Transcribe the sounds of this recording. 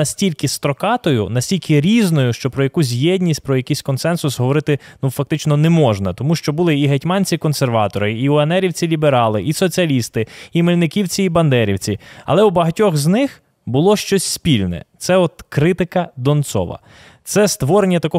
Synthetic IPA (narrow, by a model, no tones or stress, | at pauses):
ɐsʲtʲilʲkɪst̪ɾɔkɑt̪ɔjʊ̰nɐsʲtʲilʲkʰɪɾʲiznɔjʊʃt͡ʃɔpɾɔjɐkus̬ʲjɛdʲnʲisʲt̚ʲpɾɔjɐkisʲkɔnsɛnsʊsɦɔʋɔɾɪt̪ɪnufɐk̚t̪ɪt͡ʃnɔnɛmɔʒnɐt̪ɔmuʃt͡ʃɔbʊlˠɪiɦɐtʲmɑnʲt͡sʲikɔnserʋɑt̪ɔɾɪiʊɐnɛɾʲiwt͡sʲilʲibeɾɑlˠɪʔisɔt͡sʲiɐlʲist̪ɪimelʲnɪkʲiwt͡sʲiːbɐnd̪ɛɾʲiwt͡sʲiɐ̰lˠɛwbɐɦɐtʲɔxznɪx | bʊlˠɔʃt͡ʃɔsʲspʲilʲnɛ̰t̪sɛɔt̪kɾɪt̪ɪkɐd̪ɔnt̪sɔ̰ʋɐ̰ | t̪sɛst̪ʋɔɾenʲːɐt̪ɐkɔ